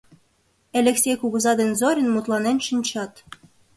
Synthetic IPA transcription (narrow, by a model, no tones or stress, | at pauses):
elʲĕksʲejkuɣə̆zɑd̪enzoɾʲə̆nmut̪lˠɑnenʃinʲt͡ɕɑt̪